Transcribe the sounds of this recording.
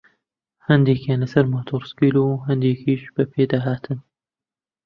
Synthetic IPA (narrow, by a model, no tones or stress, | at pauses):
hɐnd̪eːkjaːnlɐsɐɾmoːt̪ʰoːɾskiːluɦɐnd̪eːkʰiːʃb̥ɐpʰeːd̪aːɦaːt̪ʰɨn